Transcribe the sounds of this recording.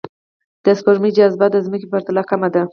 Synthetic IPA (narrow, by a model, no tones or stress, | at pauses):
d̪̥əspoɾmid͡ʒazbad̪əzməkipaɾt̪alɑkamad̪a